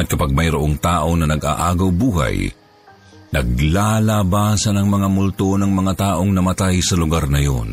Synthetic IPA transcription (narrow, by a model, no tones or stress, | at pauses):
ɐt̪̚kɐpaɡ̚mɐjɾʊʔoŋt̪aːʔo̞nɐnɐɡa̰ʔaːɡawbuːha̰j | nɐɡ̚lalabaːsɐnɐŋmɐŋamʊlt̪onɐŋmɐŋat̪aːʔoŋnɐmɐt̪ajsɐlʊɡaɾnɐjo̰n